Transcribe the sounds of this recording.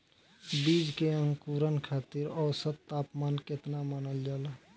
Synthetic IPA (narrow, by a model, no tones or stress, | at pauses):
bid͡ʒkeə̃ŋkuɾənkʰat̪iɾɔːsət̪t̪ːapmanket̪namənəld͡ʒal